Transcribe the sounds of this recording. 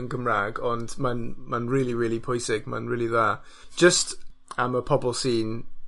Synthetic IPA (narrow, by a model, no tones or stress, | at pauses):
ənɡəmɹaɡɔndmanmanɹɪːlˠiɹɪːlˠipʰɔjsɪɡma̰nɹɪːlˠiða | d̥ʒ̥əstaməpʰɔbɔlˠsiːn